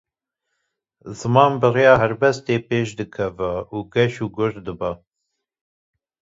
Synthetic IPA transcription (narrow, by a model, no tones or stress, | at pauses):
zɨmɑːnbɨrejɑːɦɛɾbɛst̪eːpeːʃd̪ɨkʰɛvɛuːɡɛʃuːɡʊɾd̪ɨbɛ